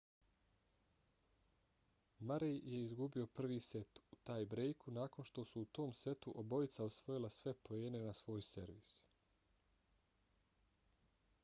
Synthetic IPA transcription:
maɾejje̞izɡubio̞pr̩ʋiːse̞t̪ut̪aːjbɾejkunaːko̞nʃt̪o̞suːt̪o̞ːmse̞t̪uʔobo̞it̪saosʋo̞jilˠasʋe̞po̞eːne̞nasʋo̞ːjse̞ɾʋḭːs

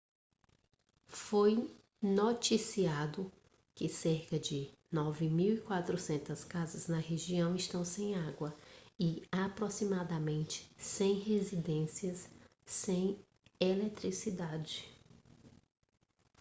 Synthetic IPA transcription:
foj | not͡ʃisiad̪ʊ | kɪseɾkɐd͡ʒɪnɔvɪmiwikwat̪ɾʊsẽnt̪ɐskazɐznɐɦeʒiɐ̃w̃ɪʃt̪ɐ̃w̃sẽj̃aɡwɐɪapɾosimad̪ɐmẽnt͡ʃɪ̥sẽj̃ɦezid̪ẽsiɐsː | ẽj̃ | elɛt̪ɾisid̪ad͡ʒɪ

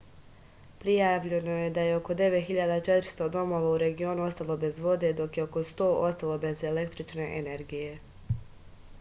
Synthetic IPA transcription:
pɾijaʋʎe̞noje̞d̪aje̞o̞ko̞d̪e̞ʋe̞t̪xiʎad̪at͡ʃe̞t̪ɾst̪o̞d̪o̞mo̞ːʋauɾe̞ɡio̞nuo̞st̪alˠo̞be̞zʋo̞d̪e̞d̪o̞kje̞oko̞st̪o̞ːʔo̞st̪alˠo̞be̞ze̞le̞kt̪ɾit͡ʃne̞̰ʔene̞ɾɡije̞

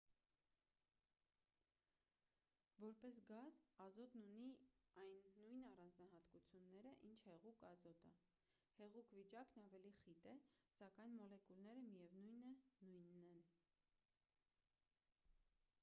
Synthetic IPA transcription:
vɔɾpɛsɡɑzɑzɔt̪nuniɑjnːujnɑrɑnd͡znɑɦɑt̪kut͡sʰjunːɛɾəʔint͡ʃʰhɛʁukɑzɔt̪ə | hɛʁukvit͡ʃɑknɑvɛliχit̪ɛsɑkɑjnmɔlɛkulnɛɾəmijɛvnujnənujnːɛn

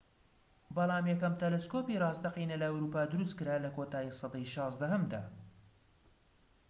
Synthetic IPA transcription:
bɑlˠɑːmjɛkɐmt̪ʰɛleskopiːrˤɑːzd̪ɐqiːnɐlɐɐwɾuːpaːd̪ʊɾust̪̚kɨɾaːlɐkoːt̪aːjisˤɑd̪ɐjʃɑːzd̪ɐɦɐmd̪aː

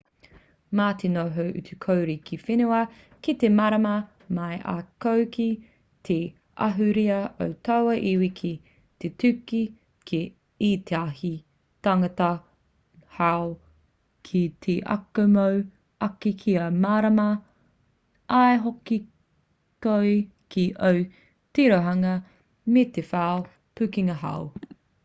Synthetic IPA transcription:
maːtʰinoɦowʔʉ̰tukʰowɾikʰifenuɐ | kit̪emɐɾɐmɐ | mɐjʔa̰kowki | tʰe | ʔɐ̰ɦʉɾiɐo̰wtʰɐwɐʔiwikʰi | tetʉki | kʰi | it̪ʰeaɦi | tɐŋɐtɐ | hao | kʰit̪ʰeʔɐ̰komow | ʔɐkikʰiɐmaːɾɐmɐ | ʔaeɦoki | koj | kʰiʔow | tiɾoɦɐŋɐ | met̪efaːo | pʉkiŋɐɦa̰w

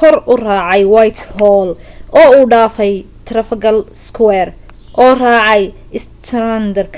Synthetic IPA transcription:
kʰɔrʊrɑːʕɑjwajt̪hɔːlɔːuːɖaːfɛj | t̪ʰrɐfɐɡɐlskʰwɛːr | ʔɔːraːʕɑjɪst̪ʰɾand̪ɐrkʰ

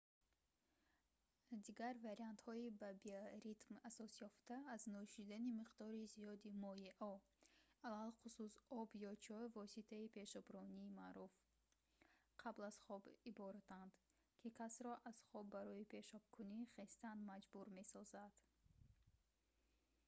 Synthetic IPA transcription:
d̪iɡaɾvaɾiant̪hɔibabiaɾit̪masɔsjɔft̪aːznɔʃid̪animiqd̪ɔɾiziɔd̪imɔjeʔɔ | alalqususɔbjɔt͡ʃʰɔvɔsit̪ʰaipʰe̞ʃɔbɾɔniːmaɾuf | qʰablaz̥χɔbibɔɾat̪ʰand̪ | kʰikʰasɾɔʔaz̥χɔbːaɾɔipʰe̞ʃɔb̥̚kʰuniχest̪and̪mad͡ʒbuɾme̞sɔzad̪̥

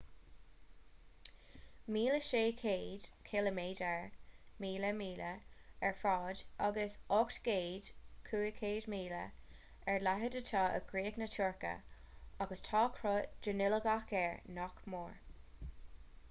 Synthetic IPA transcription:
miːləʃeːkʰeːd̥kʰeləmeːdɛɹmiːləmiːləɛɹfɑːdʔaɡəsɔktɡ̥eːd̥kʰuːəkʰeːdmiːlə̰ | ɛɹlaɦədətʰɑːʔə̰ɡ̥ɹiːəknətʰuːɹkə̰ | ɑɡəstʰɑːkʰɾʊd̥ənɪləɡakɛɹnɔkmoːɹ

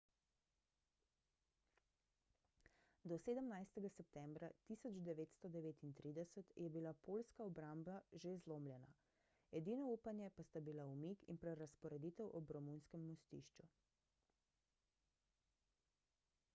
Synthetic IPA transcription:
d̪ɔseːd̪əmnajst̪ɛɡasɛpt̪ɛmbɾat̪isɔd͡ʒd̪ɛʋeːt̪st̪ɔd̪ɛʋeːt̪int̪ɾiːd̪ɛsət̪jɛbilapolskaɔbɾamblaʒezloːmljɛna̰ | ɛd̪iːnɔuːpanjɛpast̪abilaumikḭnpɾɛɾaspɔɾɛd̪iːt̪ɛwʔɔbɾɔmunskɛmːɔst̪ḭʃt͡ʃu

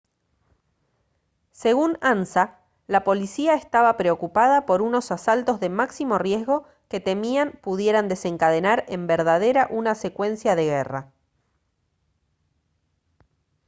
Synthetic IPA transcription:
se̞ɣunansa | lapo̞lisiaest̪aβapɾe̞o̞kupaðapo̞ɾuno̞sasalt̪o̞zðe̞maksimo̞rje̞zɣo̞ | ke̞t̪e̞miampuðje̞ɾand̪e̞se̞ŋkaðe̞naɾe̞mbeɾðaðe̞ɾaʔunase̞kwe̞nsjaðe̞ɣera̰

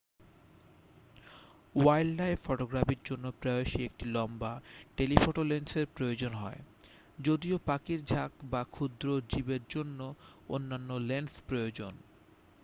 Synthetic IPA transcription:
wajllajfɔʈoɡɾapiɾd͡ʑonːopɾɔoʃiek̚ʈilɔmbaʈelifʰoʈolenseɾpɾojod͡ʑonɦɔe | d͡ʑod̪iopakiɾd͡ʑʱakbakʰud̪ɾod͡ʑibeɾd͡ʑonːoonːanːolenspɾojod͡ʑon

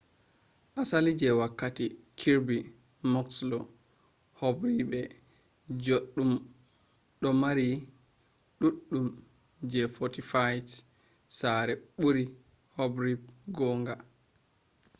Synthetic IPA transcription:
ʔasalid͡ʒɛwakːatikʰiɾbi | mɔkslɔ | hɔbɾibɛ | d͡ʒoɗu | ɗɔmaɾi | ɗuɗːum | d͡ʒɛfɔtifajt | saɾɛɓuɾi | hobɾib̚ɡɔːŋɡa

